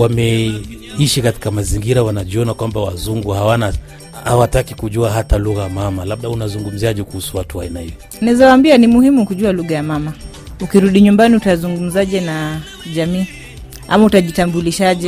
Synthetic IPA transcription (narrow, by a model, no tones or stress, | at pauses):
wamɛ | iʃikati̥kamaziŋɡiɾawanaʄiɔnakwambawazuŋɡuhawana | hawatakikuʄuaɦataluɣajamamalaɓ̚ɗaunazuŋɡum̩ziaʄɛkuhusuwatuainahijɔ | nazawaːmbianimuhimukuʄualuɣajamama | ukiɾuɗiɲumbaniutazuŋɡum̩zaʄɛna | ʄamiː | a̰mautaʄitambuliʃaʄɛ